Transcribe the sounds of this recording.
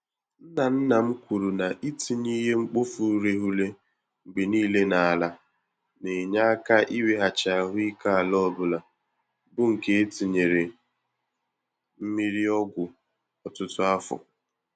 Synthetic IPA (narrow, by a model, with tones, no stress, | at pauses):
n̩˦na˨n̩˦na˨m̩˦kʷu˨ɾu˨na˨ʔi˦tʰi˨ɲi˦ɦe˦ŋ͡m̩˦k͡po˦fu˨˦ɾe˦ɦu˦le˦ | ŋ͡m̩˨ɡ͡be˨niː˦le˦na˨a˨la˦ | ne˨ɲa˦a˦ka˦ʔi˦we˦ɦa˨t͡ʃa˨a˨ɦʊ˦i˦ka˦a˨lɔ˦˨bʊ˨la˨ | bʊ˦ŋ̩˨ke˦e˦ti˨ɲe˨ɾe˨ | m̩˦mi˦ɾi˦ɔ˦ɡʷʊ˨ | ɔ˨tʊ˦tʊ˦a˦fʊ̰˨